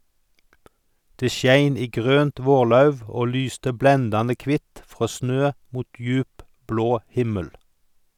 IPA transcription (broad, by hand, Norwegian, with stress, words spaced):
ˈdeː ˈʃjæɪn ˈiː ˈɡʁøːnt ˈʋoːʁˌlɑʉʋ ˈoː ˈlyːstə ˈblɛndɑnə ˈkʋɪt ˈfʁoː ˈsnøː ˈmuːt ˈjʉːp ˈbloː ˈhɪməl